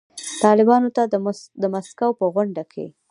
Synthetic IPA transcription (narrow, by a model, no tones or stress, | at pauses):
t̪ɑlɪbɑnot̪ad̪əmaskawpəɣʊɳɖakʰḛ